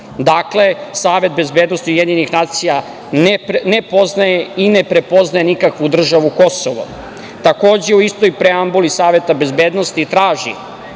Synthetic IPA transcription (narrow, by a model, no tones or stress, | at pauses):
d̪akle̞saːʋe̞t̪̚be̞zbed̪nost̪iujed̪ɲenixnaːt̪sija | nenepo̞znajeine̞pɾe̞po̞znaje̞nikakʋud̪r̩ʒaʋuko̞soʋo̰ | t̪ako̞ːd͡ʑe̞uist̪ojpɾeambulisaːʋe̞t̪abe̞zbeːd̪nost̪it̪ɾaːʒḭ